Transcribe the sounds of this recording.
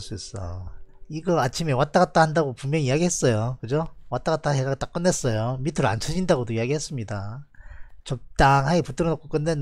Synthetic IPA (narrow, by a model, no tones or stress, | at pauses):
ɭs͈uis͈ʌ̰iɡʌat͡ɕʰime̞wat͈aɡat͈ahandaɡopumjʌŋiiaɡiɦe̞s͈ʌjokɯd͡ʑowat͈aɡat͈aɦeɡaɡt͈ak͈ɯnːes͈ʌjomitʰɯɾɯa̰nt͡ɕʰʌd͡ʑindaɡodoiaɡiɦe̞s͈ɯmɲida | t͡ɕʌk̚t͈aŋɦaiput͈ʰɯɾʌnok͈ʰok͈ɯnden